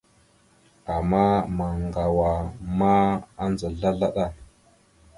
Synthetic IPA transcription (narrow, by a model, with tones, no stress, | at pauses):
a˨mːa˦ma˨ŋɡa˨wa˨ma˦a˦nza˨ɮa˦ɮa˦ɗa˦˨